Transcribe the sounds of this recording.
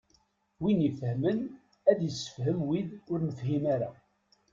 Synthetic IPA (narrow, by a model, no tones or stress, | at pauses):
winifhmən | æðjəsːə̥fhəmwiðʊɾnəfhimaɾa̰